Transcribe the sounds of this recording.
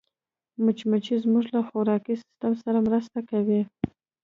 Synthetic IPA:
mʊt͡ʃmat͡ʃizmuʐlaxʊɾɑkisɪ̥st̪amsaɾamɾəst̪akawi

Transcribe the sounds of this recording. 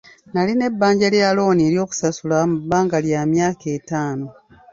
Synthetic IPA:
naline̞bːaːɲɟaljalo̞ːnie̞ɾjo̞ːku̥sasulamubːaːŋɡaljaːmjaːke̞ːtaːno̞

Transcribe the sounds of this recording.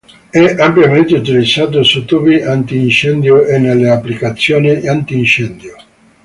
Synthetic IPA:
ɛʔampjament̪eut̪ilid̪sːaːt̪̬osut̪ubiʔant̪iːnt͡ʃɛnd̪joʔenːelːeapːlikat̪sːjoːniant̪iːnt͡ʃɛnd̪jo

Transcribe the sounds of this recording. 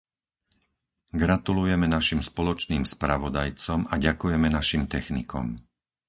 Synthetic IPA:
ɡɾat̪ulujɛmɛnaʃimspɔlɔt͡ʃniːmspɾaʋɔd̪ajt͡sɔmaɟakujɛmɛnaʃimt̪ɛxnḭkɔ̰m

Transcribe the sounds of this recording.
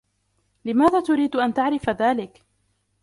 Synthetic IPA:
lɪmaːðaːt̪ʊɾiːd̪ʔant̪aʕɾɪfaðaːlɪk

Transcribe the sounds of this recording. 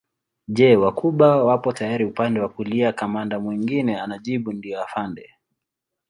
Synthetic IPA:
ʄɛwakuɓawapɔtajaɾiupandɛwakuliakamandamwiŋɡinɛanaʄiɓundiɔafandɛ

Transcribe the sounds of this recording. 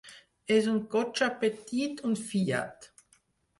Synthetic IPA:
ɛsʊnt̚ɡ̥ɔt͡ʃapetiːtʰʊntfiːa̰t

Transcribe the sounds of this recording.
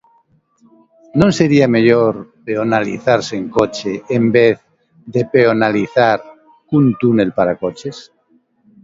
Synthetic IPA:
nõnseɾiameʎoɾpeonalḭθaɾseŋkot͡ʃeːmbeθ | ðepeonaliθaɾ | kunt̪une̞lpaɾakot͡ʃes

